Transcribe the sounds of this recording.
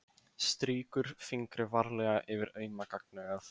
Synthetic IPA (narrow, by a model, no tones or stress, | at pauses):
st̪ɾiːkʏɾ̥fiŋkɾɪvaɾlɛːɣaʔɪvɪɾœːɥmakak̚nʏɣaθ